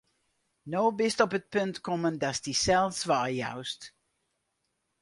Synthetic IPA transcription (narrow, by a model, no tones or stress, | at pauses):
noːbɪstɔpət̚pɵntkɔməndasdisɛlˠsʋaːja̰wst